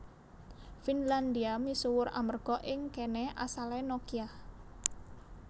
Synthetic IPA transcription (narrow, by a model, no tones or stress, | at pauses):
finland̪iamisuwʊɾʔa̰mərɡ̥ɔʔɪŋkɛnɛʔa̰salɛnokia